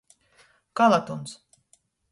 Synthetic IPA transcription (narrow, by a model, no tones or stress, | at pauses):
kalˠat̪uns